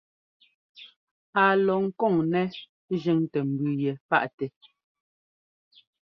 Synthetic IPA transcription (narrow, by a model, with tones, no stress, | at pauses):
a˨lɔ˨ŋ̩˦kɔ˦˨ŋnɛ˦ | ʒi˦ŋtɛ˨m̩˨bʉ˨jɛ˨pa̰˦˨ʔtɛ˨